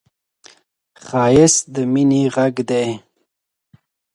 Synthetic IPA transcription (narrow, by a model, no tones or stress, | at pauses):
χɑːjɪsd̪əminiʁaɡd̪ej